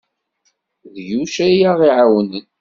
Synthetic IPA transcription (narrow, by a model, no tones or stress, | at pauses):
ðjuʃæjaʁiʕawnən